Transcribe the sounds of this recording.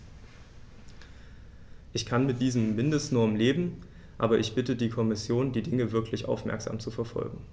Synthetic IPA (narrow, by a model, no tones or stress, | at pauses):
ʔɪçkʰanmɪt̚d̥iːzəm̩ːɪndəstnɔɐmleːbm̩ | ʔa̰ːbɐʔɪçb̥ɪtədiːkʰɔmɪsjoːndiːdɪŋəvɪɐkʰlɪçʔa̰ʊfmɛ̰ɐkz̥a̰ːmt͡sufɛɐfɔ̰lɡŋ̩